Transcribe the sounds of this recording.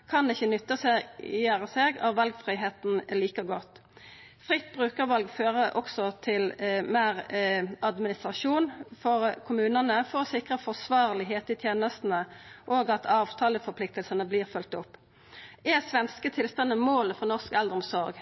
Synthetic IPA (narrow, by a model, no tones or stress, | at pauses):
kʰɑnɪçːənʏt̪ːəsɛjæːʁəseːɡɑ̰ʋɑlɡfʁiːɦeːt̪n̩liːkəʁɡɔt̪ː | fʁɪt̪ːbʁʉːkəʁʋɑlɡføːʁəʔɔksɔt̪ʰɪlmeːʁɑd̪mɪnɪst̪ʁɑʂuːnfɔʁkʰʊmʉːnənəfɔʁɔsɪkʁəfɔʁsʋɑːʁlɪɦeːt̪ɪt̪ʰjeːnəst̪n̩əʔoːɡɑt̪ʰɑːʋt̪ʰɑːləfɔɾpʰlɪk̚t̪əlsənəblɪːʁfʉlt̪ʊpː | ɛsʋɛnskət̪ʰɪlst̪ɑnːəmoːləfʁɔnɔʁskɛld̪əʁɔmsɔɾɡ